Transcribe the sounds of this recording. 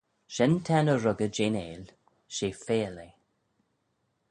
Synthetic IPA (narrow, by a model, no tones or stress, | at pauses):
ʃɛnt̪ʰɛnəɾʊɡəd͡ʒeːnḛːl | ʃeːfeːle